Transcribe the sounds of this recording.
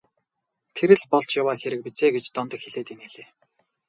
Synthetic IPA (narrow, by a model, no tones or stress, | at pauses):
t̪ʰeɾɘ̆ɮpɔɮt͡ɕjawaːxeɾɘ̆k̚pit͡seːɡet͡ɕt̪ɔnt̪ɞ̆kxeɮeːt̪ineɮeː